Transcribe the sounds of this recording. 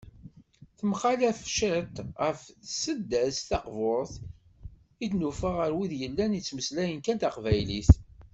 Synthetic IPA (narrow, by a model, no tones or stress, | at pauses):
θəmχalæθfʃət̪ʁəfsəd̪æsθɑqvʊɾˤθ | id̪nufəʁəɾwiðjəlːænit͡sːməslæjənkænt̪ɑqvæjliθ